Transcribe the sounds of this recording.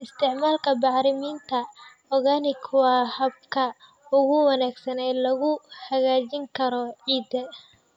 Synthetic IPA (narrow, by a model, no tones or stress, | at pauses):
ɪst̪ʰɪʕmaːlkʰɐbɑħɾɪmiːnt̪ʰɐ | ɔɣaːnɪkʰwɑhɐb̚kʰɐ | ʊɣʊwɑnaːɡsɐnɛjlɐɣʊhɐɣaːt͡ʃɪŋkʰɐɾɔʕiːd̪ɐ